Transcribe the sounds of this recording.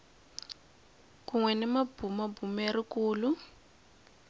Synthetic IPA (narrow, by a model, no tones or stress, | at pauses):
kuŋwɛnɛmab̥umabumerikuːlu